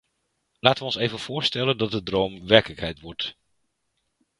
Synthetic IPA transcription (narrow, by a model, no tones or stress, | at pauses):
laːtəʋəɔnsejvənv̥ʊːɹstɛləndɑt̚dədrowmʋɛɹkələkɦɛjtʋɔɹt